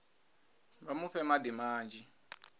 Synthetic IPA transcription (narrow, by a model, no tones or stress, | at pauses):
βamuɸɛmadimaːnd͡ʒʱi